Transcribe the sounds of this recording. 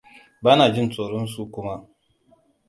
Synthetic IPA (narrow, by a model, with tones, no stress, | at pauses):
baː˦naː˨d͡ʒɪ˦nt͡sʼoː˨ɽɔ˦nsu˦kʷʊ˦ma˦ʔ